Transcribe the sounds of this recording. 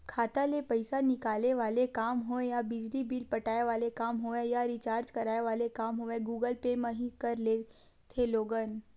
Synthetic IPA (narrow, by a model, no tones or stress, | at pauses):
kʰat̪alepəjsanikaleʋalekamɦoẽjabid͡ʒlibilpəʈaeʋalekaːmɦoẽjaɾit͡ɕaːɾd͡ʒkəɾaːjʋalekaːmɦoẽɡuɡəlpeməɦikəɾle | t̪ʰeloɡən